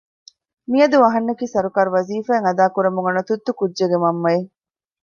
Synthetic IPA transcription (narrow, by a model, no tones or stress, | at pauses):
miɐd̪uɐɦɐnːɐkiːsɐɾukaːɾuʋɐziːfæːŋɐd̪aːkuɾɐmuŋɐnɐt̪ut̪ːukudːeɡemɐmːɐe